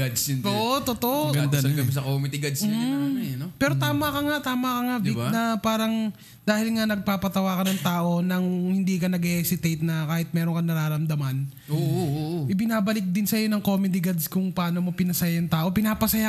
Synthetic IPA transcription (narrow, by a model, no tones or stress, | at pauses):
ad̪snt̪oʔot̪ot̪oʔoʔɡɐd̪ɡɐbɛsɐkomɛd̪ɪɡɐd̪snnpɛːɾot̪aːmɐkɐŋat̪aːmɐkɐŋabibnɐpaːɾɐŋ | d̪aːhɪlŋanɐɡ̚paːpɐt̪ɐwaːkɐnɐŋt̪aːʔo̞nɐŋhɪnd̪iːkɐnɐɡhɛsɪt̪ejt̪̚nɐkaːhɪt̪̚mɛːɾoŋkɐnɐɾaːɾɐmd̪ɐmɐn | oʔɪbɪnaːbɐlɪk̚d̪ɪnsɐjo̞nɐŋkomɛd̪ɪɡad̪skʊŋpɐaːno̞mo̞pɪnɐsɐjaɐŋt̪aːʔo̞pɪnaːpɐsɐja